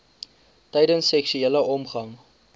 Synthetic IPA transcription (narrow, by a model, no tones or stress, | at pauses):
tɛjdənsːɛksyeːləɔmχɐŋ